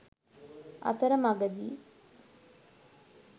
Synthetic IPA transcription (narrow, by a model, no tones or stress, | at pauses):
ɐ̰t̪ɐɾəmaɡɐd̪iː